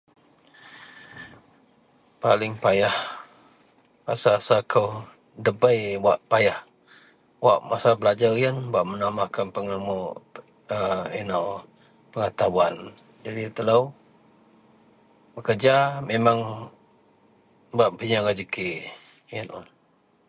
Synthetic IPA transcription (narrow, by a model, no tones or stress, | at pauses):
palɪŋpajah | a̰sasakʰəw | dəbəjwaʔpajah | wa̰ʔmasabəlad͡ʒarijənbaʔmənamakanpəŋəmɔʔ | əinaw | pəŋat̪awan | d͡ʒadit̪əlaw | bəkərd͡ʒamemaŋ | baʔbəɲaɡad͡ʒəkiʔ | jənɔ̰n